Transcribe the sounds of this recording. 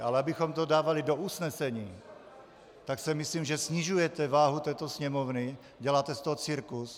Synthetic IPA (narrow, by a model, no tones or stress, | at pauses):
alɛabixɔmt̪odaːvalidoʔusnɛsɛɲiː | t̪aksɛmisliːmʒɛsɲiʒujɛt̪ɛvaːɦut̪ɛːt̪osɲɛmovni | ɟɛlaːt̪ɛst̪oɦɔt͡siɾkus